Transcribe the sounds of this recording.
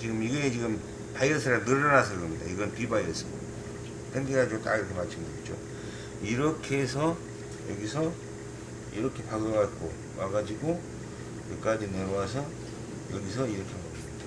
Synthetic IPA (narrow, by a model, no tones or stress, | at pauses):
t͡ɕiɡɯmiɡet͡ɕiɡɯm | pajʌsʰɯɾanɯɾʌnas̬ʰɯkʌmɲida̰iɡʌnpibajʌs͈ʰɯbo̰ | otʰenɡeɡad͡ʑiɡotaiɾʌkʰemat͡ɕʰɯŋɡʌd͡ʑo̰ | iɾʌkʰe̞s̬ʰʌ | jʌɡisʰʌ | iɾʌkʰe̞paɡɾoɡak͈o̰ | waɡad͡ʑiɡo | kek͈ad͡ʑineɾoasʰʌ | jʌɡisʰʌiɾʌkʰe̞ma | d̥a